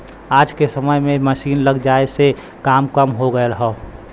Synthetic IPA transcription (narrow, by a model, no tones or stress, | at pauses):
aːd͡ʒkesəməjmẽməʃiːnləɡd͡ʒaːese | kaːmkəmɦoɡəeɾəɦɛ